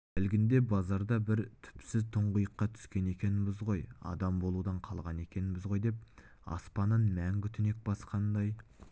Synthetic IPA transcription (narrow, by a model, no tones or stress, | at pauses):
ɪlɡʲɪnd̪e̞bɑzɑɾd̪ɑbɪɾt̪ʰʏ̥psɪzt̪ʰʊɴʁəjəqːɑt̪ʰʏ̥skʲe̞ne̞kʲe̞nɪbɪzʁo̞jɑ̰d̪ɑmbo̞lˠud̪ɑɴqʰɑlˠʁɑne̞kʲe̞nɪbɪzʁo̞jd̪e̞p̚ | ɑ̰spɑnənmæŋkʲʰʏt̪ʰʏne̞k̚bɑsqɑnd̪ɑj